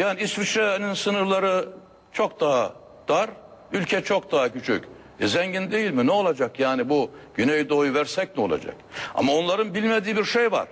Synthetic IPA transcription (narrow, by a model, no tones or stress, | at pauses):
jaːniist̪vit͡ʃɾaninsɯnɯɾlˠaɾɯ | t͡ʃʰokd̪aɦa | d̪̥aɾ | ylʲcʰɛt͡ʃʰo̞k̚d̪aɦacʰyt͡ʃʰy̰c | ɛzɛɲɟind̪e̞jilʲminɛo̞lˠad͡ʒakjaːnibuɟ̥ynɛjd̪o̞juvæɾsɛc̚mio̞̰lˠa̰d͡ʒa̰ka̰mao̞nlˠaɾɯnbilʲmed̪iːbiɾʃejva̰ɾ̥